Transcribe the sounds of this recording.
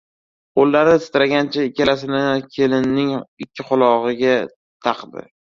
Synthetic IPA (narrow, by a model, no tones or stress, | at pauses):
qolːaɾnɪsɪ̥t̪ɾaɡʲant͡ʃʰaɪkʲʰːalasɪnakʲʰelɪnːɪŋɪkʲʰːɪqʰʊlˠɒʁɨɡʲa | t̪ʰɑqd̪ɪ̰